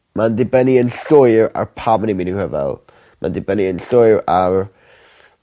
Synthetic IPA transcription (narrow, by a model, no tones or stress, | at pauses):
mandɪbɛniənɬʊjra̰rpʰaməniminirəvɛ̰lˠ | ma̰ndɪbɛniənɬʊɨɾar